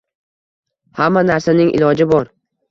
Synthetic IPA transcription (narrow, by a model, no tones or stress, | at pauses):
hamːanaɾsanɪŋʲʔɪ̰lɒd͡ʒɪbɒɾ